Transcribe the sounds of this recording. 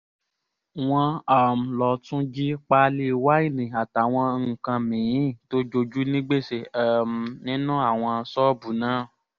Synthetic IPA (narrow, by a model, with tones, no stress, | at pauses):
w̃ɔ̃˧a˨m̩˨lɔ˨tũ˦d͡ʒi˦k͡pa˧˦le˧˦wa˦i˦˨nĩ˨a˨ta˨w̃ɔ̃˧ŋ̩˨kã˧mĩ˨ĩ˦˨to˦d͡ʒo˧d͡ʒu˦nĩ˦ɡ͡be˦˨se˨mnĩ˦nũ˦a˦˨w̃ɔ̃˧˦sɔ˦bu˨nãː˦